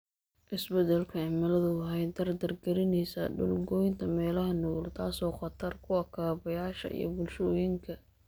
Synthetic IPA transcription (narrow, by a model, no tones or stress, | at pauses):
ʔɪsbɛt̪ʰɛlkʰɐɪmɐlɐðʊɦɛjd̪ɐrd̪ɐrɡɐɾɪnɛjsɐ̰ɖʊ̰lɡɔjnt̪ʰɐmɛːlɐɦɐnuːlt̪ʰaːsɔːχɑt̪ʰɐrkʰʊɐkʰaːβɐjaːʃɐ̰ʔḭjɞ̰bʊlʃɔːjɪŋkʰɐ